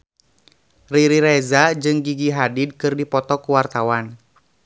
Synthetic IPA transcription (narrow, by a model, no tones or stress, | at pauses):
riɾiɾɛzad͡ʒɨŋɡiɡiɦadid̚kɨrdipɔt̪ɔkuwart̪awan